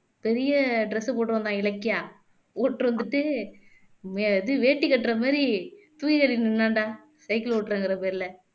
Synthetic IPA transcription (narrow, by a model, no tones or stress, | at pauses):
pɛɾɪjɐɖɾɛsɯpoːʈːɾõːnd̪ãːɪlɐkːɪjaː | oːʈːɾʋɐnd̪ɯʈːɯ | meːðɯʋeːʈːikːɐʈːɾɐmaːɾi | t̪ʊjɣɐɭinɪnːaːɳɖãː | sɐɪkɪloːʈːɾɐːŋɡɪɾɐpeːɾɪlɐ